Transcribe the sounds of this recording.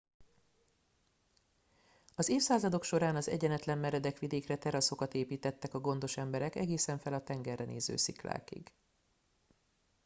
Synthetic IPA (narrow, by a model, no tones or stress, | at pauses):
ɒzeːfsaːzɒd̪o̞kʃo̞ɾaːnɒzɛ̰ɟɛnɛt̪lɛmːɛɾɛd̪ɛkʋid̪eːkrɛt̪ɛɾɒso̞kɒt̪eːpiːt̪ɛt̪ːɛkɒɡo̞n̪d̪o̞ʃɛmbɛɾɛkɛɡeːsɛɱfɛlɒt̪ɛŋɡɛrːɛnʔḛːzø̰ːsḭkla̰ːkḭɡ̥